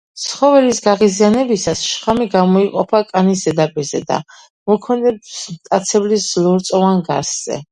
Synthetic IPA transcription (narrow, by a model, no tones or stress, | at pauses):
t̪sʰχɔvɛlisɡaʁizianɛbisasʃχamiɡamɔiqʼɔpʰakʼanis̬d̪ɛd̪apʼiɾzɛd̪a̰ | mɔkʰɛnɛbsmt̪ʼat̪sʰɛblislˠɔɾt̪sʼɔvanɡaɾsz̥ɛ̰